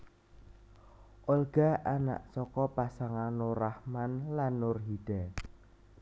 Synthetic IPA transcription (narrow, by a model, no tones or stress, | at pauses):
ʔolɡ̥aʔana̰ʔsɔkɔpasaŋanoɾahmanlanːʊrɦid̥ɛ